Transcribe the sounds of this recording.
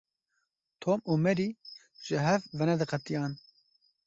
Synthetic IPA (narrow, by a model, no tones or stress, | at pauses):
t̪ʰoːmuːmɛɾiː | ʒ̥ɪɦɛvvɛnɛd̪ɨqɛt̪ijɑːn